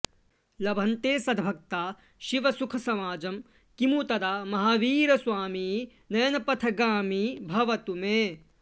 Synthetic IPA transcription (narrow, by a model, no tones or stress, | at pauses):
lɐbʱɐnt̪eːsɐd̪bʱɐk̚t̪aː | ʃiʋɐsukʰɐsɐmaːd͡ʒɐm | kimut̪ɐd̪aːmɐɦaːʋiːɾɐsʋaːmiː | nɐjɐnɐpɐt̪ʰɐɡaːmibʱɐʋɐt̪umeː